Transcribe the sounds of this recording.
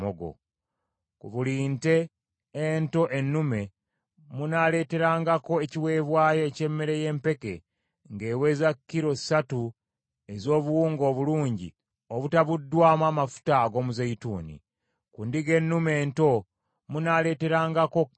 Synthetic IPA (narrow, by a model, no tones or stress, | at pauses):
oɡo̰ | kuβuliːnte̞ː | nto̞ʔe̞nːume̞ | munale̞ːte̞ɾaːŋɡako̞eciwe̞ːβwaːjo̞ːce̞mːe̞ɾe̞je̞ːmpe̞ke̞̰ | ŋɡe̞ːwe̞ːzakːiɾo̞i̥satu | e̞zo̞ːβuwuːŋɡo̞ːβuluːɲɟḭ | oβutaβudːwaːmaːmafu̥taːɡo̞ːmuzeituːnḭ | kuːndiɡe̞nːume̞ːnto̞ | munale̞ːte̞ɾaːŋɡako̞